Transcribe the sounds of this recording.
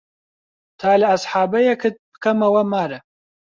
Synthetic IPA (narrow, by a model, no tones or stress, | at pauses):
t̪ʰaːlɐɐsħaːbɐjɐkɨt̪̚bɨ̥kɐmɐwɐmaːɾɐ